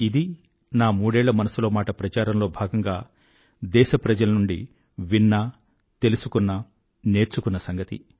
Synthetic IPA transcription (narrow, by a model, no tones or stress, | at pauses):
id̪i | naːmuːɽɛːɭːɐmɐnɐsuloːmaːʈɐpɾɐt͡ʃaːɾɐmlo̞ːbʱaːɡɐŋɡaː | d̪ɛːʃɐpɾɐd͡ʒɐlɐnuɳɖi | ʋinːɐ | t̪e̞lusukunːɐ | ne̞ːɾt͡ʃukunːɐsɐŋɡɐt̪ḭ